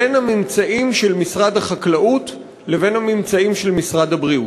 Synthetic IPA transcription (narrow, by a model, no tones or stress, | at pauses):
enhamimt͡saʔimʃelmisʁad̪haχaklaʔut̪ | le̞ve̞nhamimt͡saimʃelmisʁad̪habʁiu